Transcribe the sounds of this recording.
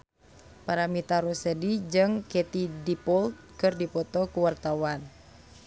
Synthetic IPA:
paɾamit̪aɾusɛdid͡ʒɨŋkɛt̪idipɔlt̪̚kɨrdipɔt̪ɔkuwart̪awan

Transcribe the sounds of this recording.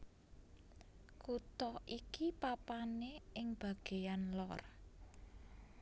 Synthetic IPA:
kut̪ɔikipapaneɪŋb̥a̤ɡ̥e̤janlɔr

